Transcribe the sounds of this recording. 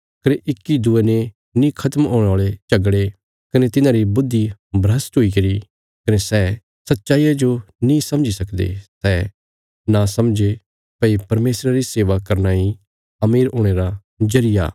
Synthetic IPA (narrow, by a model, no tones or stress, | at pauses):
kɐneʔɪkːid̪uene | nĩkʰɐt̪əmɦoːɽ̃aːɭet͡ʃɐɡɽe | kɐnet̪ɪnãɾibʊd̪ʱːibɾəst̪ɦuikɐɾi | kɐnesɛː | sɐt̪ːʃaːijad͡ʒonĩsɐ̃md͡ʒisɐkd̪ḛsɛː | nasɐmd͡ʒe | pɐipɐɾmeːsɾaɾiseːʋakɐɾnai | ɐmiːɾoːɽ̃eːɾa | d͡ʒɐɾɪja̰ː